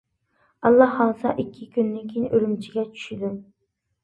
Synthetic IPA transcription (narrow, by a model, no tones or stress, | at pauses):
ɑlˠːɑhːɑwsɑʔikʲʰːɪkʲʰynːɪnkʲʰejinʔyɾymt͡ʃʰiɡʲɛt͡ʃʰy̥ʃɪd̪u